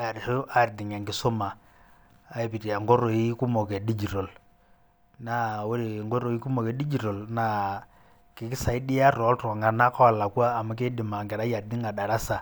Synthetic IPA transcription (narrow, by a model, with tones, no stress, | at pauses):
a˨ɾso˦a˨ɾdi˨ŋa˨ŋɡi˨˦so˦maː˨ | e˨pi˨ti˨a˨ŋɡo˦ɾo˨i˦ku˦mo˨ke˨ɗi˦d͡ʒi˨ɾo˨l | na˦wo˦ɾi˨ŋɡo˦ɾo˨i˦ku˦mo˨ke˨ɗi˦d͡ʒi˨ɾo˨lna˨ | ki˨ki˦sa˨i˦di˦a˦ɾɔ˨˦ltɔ˨ŋa˨na˦kɔ˦˨la˨kwaː˦˨ma˦k̬e˦di˨ma˨ŋɡe˨ɾa˦ja˨ɾdi˦ŋa˨ɗa˨ɾa˦sa˨